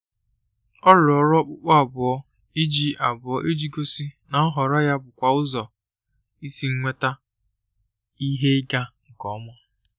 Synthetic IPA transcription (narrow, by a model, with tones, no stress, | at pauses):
ɔ˦lɔ˨ɾɔ˦k͡pʊ˦k͡pɔ˦a˨bʊ˨ɔ˦ | i˦d͡ʒi˦ʔa˨bʊ˨ɔ˦ʔe˦d͡ʒi˦ɡo˦si˦na˨ɔ˦ɦɔ˨ɾɔ˦ja˦bʊ˨kʷa˨ʊ˦zɔ˨ | i˦si˦ŋ̩˦ŋʷe˦ta˦ | i˦ɦe˦ɡa˦ŋ̩˨kɔ˦mɔ˦